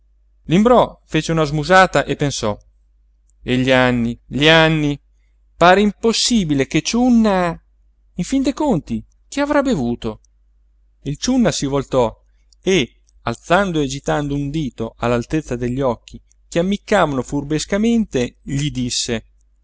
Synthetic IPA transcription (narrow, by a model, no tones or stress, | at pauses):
limbɾɔfeːt͡ʃeunazmuzaːt̪aʔepːensɔ | eʎːianːiʎianːi | paːɾeimposːiːbileket͡ʃunːa | iɱfind̪ekont̪i | k̟iavɾabevuːt̪o | ilt͡ʃunːasivolt̪ɔ | e | alt̪sand̪oed͡ʒit̪and̪ound̪iːt̪oʔalːalt̪et̪sːad̪eʎːɔkːi | k̟eamːikːaːvanofurbeskament̪eʎid̪isːe